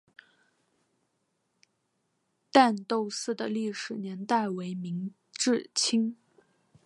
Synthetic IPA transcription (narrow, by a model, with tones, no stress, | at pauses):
t̪a˥˧nt̪o˥˧ʊsɹ̩˥˩d̪ə˨li˥˩ʂɻ̩˨˩njɛ˧˥nt̪a˥˩ɪwe˧˥ɪmi˧˥ŋ | ʈ͡ʂɻ̩˥˩t͡ɕʰi˥ŋ